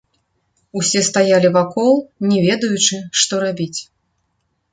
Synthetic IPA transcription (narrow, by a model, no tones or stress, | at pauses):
usʲɛst̪ajalʲivakɔlˠnʲɛvʲɛd̪ɐjut͡ʂɨʂt̪ɔɾabʲit͡sʲ